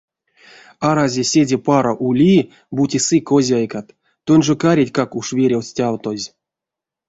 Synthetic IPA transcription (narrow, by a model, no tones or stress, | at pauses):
aɾazʲesʲedʲepaɾoʔulʲi | butʲisɨkozʲajkat̪ | t̪ːonʲʐokaɾʲitʲkakuʂvʲeɾʲewsʲtʲawt̪ozʲ